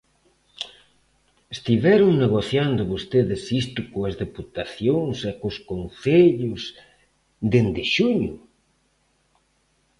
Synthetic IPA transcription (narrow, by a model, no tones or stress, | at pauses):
est̪iβɛɾʊŋneɣoθjand̪ʊβost̪eðɪsist̪ʊkoɐzðeput̪aθjoŋsekʊskonθeʎʊs | d̪end̪ɪʃuɲʊ